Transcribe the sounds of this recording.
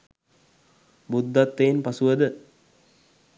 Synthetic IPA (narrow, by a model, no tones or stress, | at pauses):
bud̪ːat̪ːenpasuʋəd̪ə